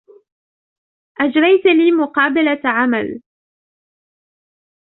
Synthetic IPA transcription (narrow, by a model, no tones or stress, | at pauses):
ʔad͡ʒɾˤɑjt̪liːmʊqɑːbalaʕamal